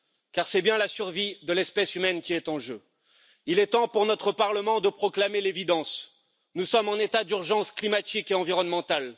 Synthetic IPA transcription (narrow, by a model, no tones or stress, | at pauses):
kaʁsɛbjɛ̃lasyʁvid̪əlɛspɛsymɛnkʲiɛt̪ɑ̃ʒø | ilɛt̪ɑ̃puʁnɔt̪χəpaʁləmɑ̃d̪əpχɔklamelevid̪ɑ̃s | nusɔmɑ̃net̪ad̪yʁʒɑ̃sklimat̪ikeɑ̃viʁɔnmɑ̃t̪al